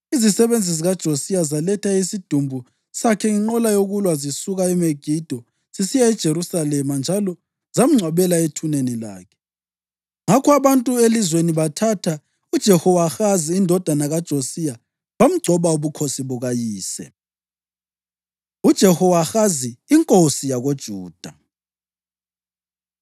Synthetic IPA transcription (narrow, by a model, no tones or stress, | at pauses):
izisɛβend͡zʱiziɣad̥ʒ̥ʱosijazalɛtʰaisid̥ʱumbʱu | sakʰɛŋiŋ͡ǃɔlajoɣulwazisuɣaɛmeɡ̥ʱid̥ʱɔ | z̥isijaɛd̥ʒ̥ʱeɾusalɛmand͡ʒʱalɔ | z̥am̩ŋ͡ǀʱwaβɛlaetʰunenila̰ːkʰɛ̥ | ŋakʰɔaβantʼuelizweniβatʰatʰa | ud̥ʒ̥ʱɛhɔwaxaziːndʱɔd̥ʱanaɣad̥ʒ̥ʱosija | βam̩ɡ͡ǀʱɔβauβukʰosiβuɣajiːsɛ̰ | ud̥ʒ̥ʱɛhɔwaxaziiŋkʼosijaɣod̥ʒ̥ʱuːd̥ʱa